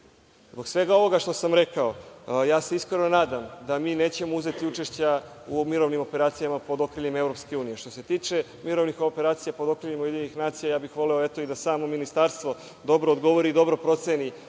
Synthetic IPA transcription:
zbo̞ksʋe̞ɡao̞ʋo̞ɡaʃt̪o̞samɾe̞kao̞jaːse̞iskɾeno̞naːd̪amd̪amiːne̞ːt͡ɕe̞mouze̞t̪iut͡ʃe̞ʃt͡ɕaumiɾo̞ʋnimo̞pe̞ɾaːt̪sijamapo̞d̪o̞kɾiʎimevɾo̞pske̞uːnije̞ʃt̪ose̞t̪iːt͡ʃe̞ | miɾo̞ʋnixoope̞ɾaːt̪sijapo̞d̪o̞kɾiʎimauje̞d̪iɲeɲixnaːt̪sijajaːbixʋo̞leo̞et̪o̞id̪asaːmo̞minist̪aɾst̪ʋo̞ | d̪o̞bɾoːd̪ɡo̞ʋoɾiːd̪o̞bɾopɾo̞t̪seni

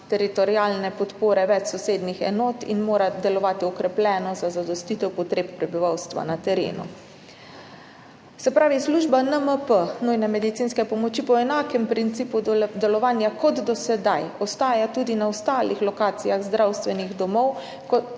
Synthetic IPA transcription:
t̪ɛɾit̪ɔɾijaːlnɛpɔt̪poːɾɛʋɛt͡ʃsɔseːd̪nixɛ̰noːt̪ḭnmoːɾad̪ɛlɔʋaːt̪iɔkɾɛplʲɛːnɔzazad̪ɔst̪it̪ɛwpɔt̪ɾeːppːɾɛbiʋawst̪ʋa̰nat̪ɛɾḛːnṵ | sɛpɾaːʋisluːʒbanəməpənujnɛmɛd̪it̪siːnskɛpɔmɔt͡ʃipɔɛnaːkɛmpɾint̪siːpud̪ɛlɔʋaːnjakɔt̪d̪ɔsɛd̪ajɔst̪aːjat̪uːd̪inaɔst̪aːlixlɔkaːt̪sijaɣzd̪ɾawst̪ʋɛniɣd̪ɔmɔw | kɔ

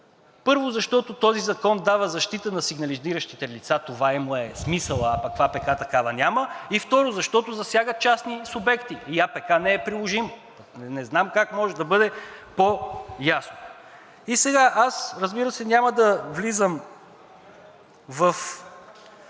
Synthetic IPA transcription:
pɤɾvozɐʃt̪ɔt̪ot̪ɔzizɐkɔnd̪avəzɐʃt̪it̪ənɐsiɡnɐliziɾəʃt̪it̪ɛlit̪sat̪ovaimʊɛsmisəlˠəapɐkːvapɛkat̪ɐkavənʲaməift̪ɔɾʊzɐʃt̪ɔt̪ʊzɐsʲjaɡət̪̚t͡ʃasnisubɛkt̪iiapɛkanɛːpɾilˠoʒim | nɛznamkakmɔʒɛd̪ɐbɤd̪ɛpojasno | isɛɡaʔasɾəzbiɾəsɛnʲaməd̪ɐvlizəm | vɐf

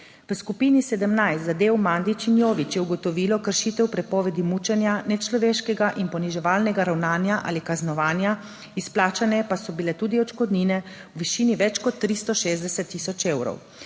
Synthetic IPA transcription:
ʋskupiːnisɛd̪əmnajst̪zad̪eːwmaːnd̪it͡ʃinjoːʋit͡ʃjɛuɡɔt̪ɔʋiːlɔkəɾʃit̪ɛwpɾɛpɔːʋɛd̪imut͡ʃɛnjanɛt͡ʃlɔʋeːʃkɛɡaʔinpɔniʒɛʋaːlnɛɡaɾawnaːnjaʔa̰ːlikaznɔʋaːnja | isplaːt͡ʃanɛpasɔbilɛt̪uːd̪iɔt͡ʃkɔd̪niːnɛ | wʋiʃiːniʋɛt͡ʃkɔt̪ːɾist̪ɔʃeːzd̪ɛsɛt̪ːisɔt͡ʃeːwɾɔ̰w

